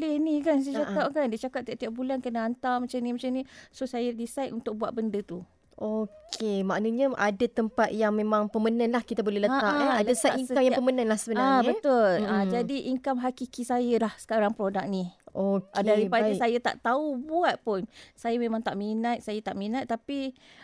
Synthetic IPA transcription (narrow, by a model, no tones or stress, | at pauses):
lɛhnĩkansat͡ʃakapkandiət͡ʃakaʔ̚t̪iaʔt̪iaʔ̚bulankənaant̪awmat͡ʃamnĩmat͡ʃamnĩsosajədisajt̪unt̪ʊk̚buaʔ̪̚bəndət̪u | ʔokʰemaʔnəɲəadat̪əmpat̪̚jaŋmẽmãŋpəmənãnlahkit̪abolɛhləaaʔalasaiŋəamjaŋpəmənə̃nlahsəbənaabətt̪ʊlad͡ʒadiʔiŋkamɦakikisajəlahsə̥kaɾaŋpɾodak̚niokadaɾipadsajat̪a̰ʔt̪aubuat̪̚pʊnsajamẽmãŋt̪aʔminat̪̚sajat̪aʔminat̪ːapi